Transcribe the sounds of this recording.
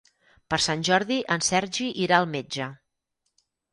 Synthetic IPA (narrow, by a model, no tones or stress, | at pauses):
pəɾsanʲʒɔɾðiʔənsɛɾʒiʔiɾaəlˠmed͡ʒə